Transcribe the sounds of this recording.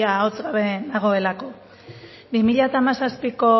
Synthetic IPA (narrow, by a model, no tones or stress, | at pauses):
aot͡sɣaβenaɣ̞o̞e̞lako̞ | bimiʎat̪amasaspiko̞